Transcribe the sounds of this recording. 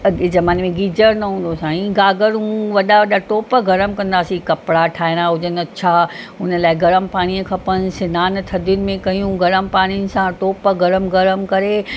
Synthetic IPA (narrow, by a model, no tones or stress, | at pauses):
zɐmaːnemẽɡiːd͡ʑəɾnɐɦũːnd̪osãːĩɡaːɡəɾũʋɐɗaʋɐɗaʈoːpəɡɐɾəmkɐ̃nd̪aːsikɐpɽaʈʰaːɪnaɦʊd͡ʑənɐt͡ɕʰaʊnə̆laːɪɡɐɾəmpaːɽ̃iəkʰɐpənɪ̆sɪnaːnt̪ʰɐd̪jʊnɪ̆mẽkɐijũɡɐɾəmpaːɽ̃ijʊnɪ̆sãʈoːpəɡɐɾəmɡɐɾəmkɐɾe